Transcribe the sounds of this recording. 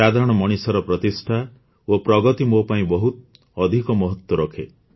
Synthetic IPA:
ɾad̪ʱaɾɔɽ̃ɔmɔɽ̃isɔɾɔpɾɔt̪isʈʰa | opɾɔɡɔt̪imopaĩbɔɦut̪ | ɔd̪ʱikɔmɔɦɔt̪wɔɾɔkʰḛ

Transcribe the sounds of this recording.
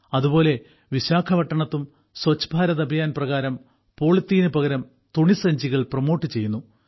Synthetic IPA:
ɐðubo̞ːle̞ | ʋiɕaːkʰɐʋɐʈːɐɳɐt̪ːum | swɐt͡ɕːɐ̥bʱaːɾɐðɐbʱɐjaːnprɐɣaːɾɐm | po̞ːɭit̪ːiːnɨpɐɡɐɾɐm | t̪uɳisɐɲd͡ʑiɣɐɭprɐmo̞ːʈːɨt͡ɕe̞jːunːu

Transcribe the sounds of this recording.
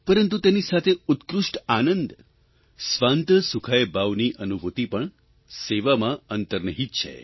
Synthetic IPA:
pəɾənt̪ut̪enisat̪ʰeʊt̪kɾʊʂʈanənd̪ | sʋãnt̪əsukʰajbaʋniʔənubʱut̪ipəɳ | seʋamãənt̪əɾnəɦit̪̚t͡ʃʰḛ

